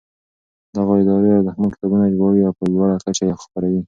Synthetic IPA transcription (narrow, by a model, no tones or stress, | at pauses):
d̪aɣaɪd̪ɑɾeawd̪əxməkɪ̥t̪ɑbunad͡ʒbɑwiawpəlwaɽakat͡ʃajexpəɾawi